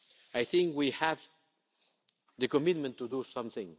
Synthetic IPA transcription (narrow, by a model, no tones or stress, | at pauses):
ajθĩŋkwihæv | ðɨkɔmɪt̪̚mə̃nt̪ːud̪usʌ̃mθɪ̃ŋ